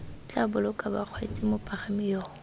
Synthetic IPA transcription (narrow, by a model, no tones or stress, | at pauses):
t͡ɬʼabʊlʊkʼabaq͡χʰwat͡sʼɪmʊpʼaχamɪjɔː